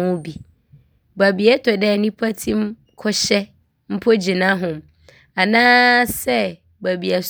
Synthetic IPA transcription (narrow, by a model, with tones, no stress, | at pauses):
ʊ̃˦bi˨ | ba˨bi˨ɛ˦tʰɔ˨dɛ˦˨nĩ˦pʰa˦tʰĩ˦m | kʰɔ˦ɕɛ˦ | m̩˦pʰo˦d͡ʑi˨nã˦ɦʊ̃˨m | a˨nãː˦sɛ˦ | ba˨bi˨a˨s